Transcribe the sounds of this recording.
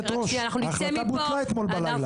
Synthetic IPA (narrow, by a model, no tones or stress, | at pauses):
t̪ʁoʃaχnuaχaabusaet̪mo̞lbalajla